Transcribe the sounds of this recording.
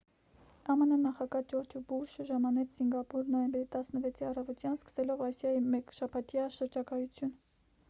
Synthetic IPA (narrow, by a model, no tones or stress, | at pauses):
ɑmənənɑχɑɡɑd͡ʒɔɾd͡ʒubuɾʃəʒɑmɑnɛt͡sʰsiŋɡɑpuɾnɔjɛmbɛɾit̪ɑsnəvɛt͡sʰiɑrɑvɔt̪jɑnskə̥sɛlɔvɑsjɑjimɛkʃɑpʰɑt̪jɑʃəɾd͡ʒɑkɑjut͡sʰjun